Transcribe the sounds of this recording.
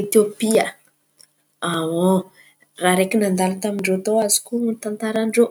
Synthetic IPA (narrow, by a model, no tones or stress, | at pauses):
et̪opiə | awo | raɾekinand̪alant̪amiɳɖ͡ʐot̪owazi̥kumit̪ant̪aɾaɳɖ͡ʐo